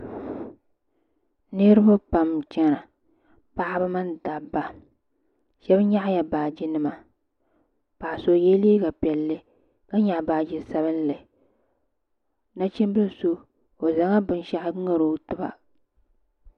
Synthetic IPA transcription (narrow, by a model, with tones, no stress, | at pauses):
ne˦ɾɨ˦bʊ˦pa˨mt͡ʃɛ˦ɾa˨ | pa˦ʔa˦ba˦ma˦nda˨bːa˨ | ʃɛ˦bɲa˦ʔja˨baː˨d͡ʒɪ˦nɨ˨ma˨ | pa˨ʔso˨jɛ˦li˦ɡa˨pɛ˨lːɨ˦ | ka˦ɲa˨ʔbaː˨d͡ʒi˨sa˦βɨ˦n˦lɨ˨ | na˦t͡ʃi˦m˦bɨ˦˨so˦ | o˨za˨˦ŋa˦bɨ˨n˦ʃa˦ʔɪ˦ŋɨ˦ɾo˦tɨ˦ba̰˨